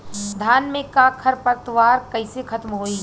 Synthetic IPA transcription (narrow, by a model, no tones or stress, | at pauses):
d̪ʱaːnmẽkakʰəɾpəɾt̪waːɾkɐɪsekʰɐt̪mɦoi